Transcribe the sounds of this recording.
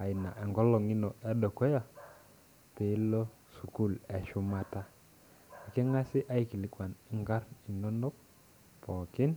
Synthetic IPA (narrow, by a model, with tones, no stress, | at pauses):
a˨ɪ˨na̰˨ʔɛ˨ŋɡɔ˦lɔ˨ŋi˦nɔ˨ɛ˦dɔ˨kɔ˦ja˨ | pe˨˦lɔ˦ | su˨ku˦˨lɛ˨ʃʊ˦ma˦ta˦ | a˨kɛ˦ŋa˦sɪ˦ʔa˦i˦ki˨lɪ˨kwa˨nɪ˦ŋɡa˦ɾi˨nɔ˦nɔ˦k̚ | pɔ˨kɪ˦n